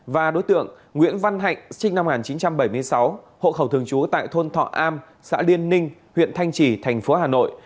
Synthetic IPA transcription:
vaː˨˩ɗo˨˦jt̪ɨ̰˧˨əŋ | ŋwḭ˧˥ənva˧nɦa̰˧˨jŋ̟sï˧ŋ̟na˧m˨ŋaː˨˩nt͡ɕi˨˦nt͡ɕa˧mɓə˧˩jmɨ˧əjsa˨˦w | ho̰˧˨xə˧˩wt̪ʰɨ˨˩əŋt͡ɕu˨˦t̪a̰ː˧˨jt̪ʰo˧nt̪ʰɔ̰˧˨ʔaː˧m | sa̰ː˧˥li˧ənːï˧ŋ̟hwḭ˧˨ənt̪ʰa˧jŋ̟t͡ɕi˧˩t̪ʰɛ˨˩jŋ̟fo˨˦haː˨˩no̰˧˨j

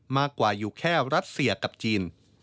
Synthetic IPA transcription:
maː˥˩kːwaː˨˩juː˨˩kʰɛː˥˩ɾa˦˥t̪̚si˧˩ɐka˨˩p̚t͡ɕiː˧n

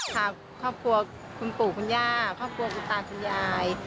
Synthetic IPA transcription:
t̪ʰaː˧˩ | kʰːɔː˥˩p̚kʰu˧ɐ | kʰu˧npuː˨˩kʰu˧njaː˥˩kʰɔː˥˩p̚kʰu˧ɐkʰu˧nt̪aː˧ŋkʰu˧njaː˧j

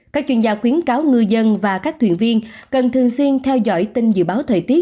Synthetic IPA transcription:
kaː˦˥k̚t͡ɕwi˧nzaː˧˩xwi˨˦ənkaː˨˦wŋɨ˧jzə˧nvaː˨˩kaː˦˥k̚t̪ʰwḭ˧˨ənvi˧ənkə˨˩nt̪ʰɨ˨˩əŋswi˧ənt̪ʰɛ˧wzɔ̰˧˨jt̪ï˧ŋ̟zɨ̰˧˨ɓaː˨˦wt̪ʰəː˨˩jt̪i˦˥ə

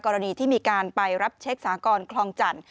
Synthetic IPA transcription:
kːɔː˧ɾa˧niː˧t̪ʰiː˥˩miː˧kaː˧npa˧jɾa˦˥p̚t͡ɕʰe˦˥k̚saː˩˦kɔː˧nkʰlɔː˧ŋt͡ɕa˨˩n

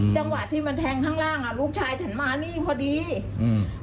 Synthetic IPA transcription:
t͡ɕa˧ŋwa˨˩t̪ʰːiː˥˩ma˧nt̪ʰɛː˧ŋkʰaː˥˩ŋɾaː˥˩ŋʔa˨˩lu˦˥k̚t͡ɕʰaː˧jt͡ɕʰa˦˥nmaː˧niː˥˩pʰɔː˧˩diː˧˩

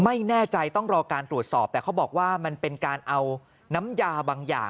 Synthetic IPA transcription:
ma˥˩jnɛː˥˩t͡ɕa˧jt̪ɔ˥˩ŋɾɔː˧kaː˧nt̪ɾu˨˩ət̪̚sɔː˨˩p̚t̪ɛː˨˩a˦˥wbɔː˨˩k̚waː˥˩ma˧npe˧nkaː˧nʔa˧w | na˦˥mjaː˧baː˧ŋja̰ː˨˩

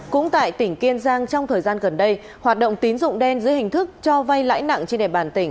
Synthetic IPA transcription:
kʊ̰˧˥ŋ͡mt̪a̰ː˧˨jt̪ï˧˩ŋ̟ki˧ənzaː˧ŋt͡ɕɔ˧wŋ͡mt̪ʰəː˨˩jzaː˧nɣə˨˩nɗə˧j | hwaː˨˩t̚ɗə̰˧˨wŋ͡mt̪i˨˦nzʊ̰˧˨ŋ͡mɗɛ˧nzɨ̰˧˥əjhï˨˩ŋ̟t̪ʰɨ˦˥k̚t͡ɕɔ˧va˧jla̰ː˧˥jna̰˧˨ŋt͡ɕe˧nɗḛ˧˨˩ɓaː˨˩nt̪ï˧˩ŋ̟

